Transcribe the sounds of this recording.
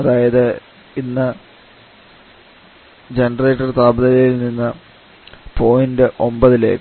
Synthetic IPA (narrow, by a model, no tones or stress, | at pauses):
ɐðaːjɐðɨ | inːɐ | d͡ʑenɖɐreːʈːɐrt̪aːbɐðɐlɐjilninːɐ | pʰo̞ːjindɨʔo̞mbɐðile̞̰ːkː